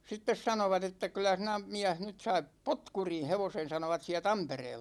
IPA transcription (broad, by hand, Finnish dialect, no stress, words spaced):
sitːes sɑnoʋɑt etːæ kylˑæ sinæ miæh nyt sɑip potkurin̞ heʋosen̞ sɑnoʋɑt siæ tɑmpereːlːɑ